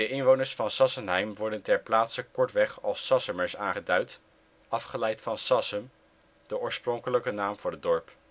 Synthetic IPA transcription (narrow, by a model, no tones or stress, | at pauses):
dəʔɪnʋownəɹsfɑnsɑsənɦɛjmʋɔɹdəntɛɹplaːtsəkɔɹtʋɛχɑlˠsːɑsəməɹsaːŋχədœɥt | ɑfχəlɛjtfɑnsɑsəm | d̥əʊːɹsprɔŋkələkənaːmv̥ʊːɹədɔɹp